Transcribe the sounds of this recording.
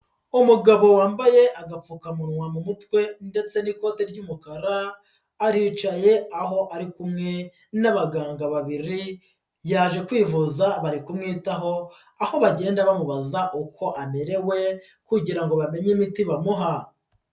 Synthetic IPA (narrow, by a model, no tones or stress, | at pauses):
umuɡaβo̞waːmbaje̞ʔaɡap͡fuːkamuɾŋwamumutwe̞nde̞t͡se̞niko̞ːte̞ɾɟumukaɾaː | ɾiːt͡ʃaje̞aɦo̞ʔaɾikumŋe̞ | naβaɡaːŋɡaβaβiɾi | jaːʒe̞kwiːvuzaβaɾikumŋiːtaɦo̞ | aho̞βaɟe̞ːndaβamuβazaʔukʰo̞ʔameɾe̞we̞ | kuɟiɾaŋɡo̞βame̞ɲimitiβamuɦa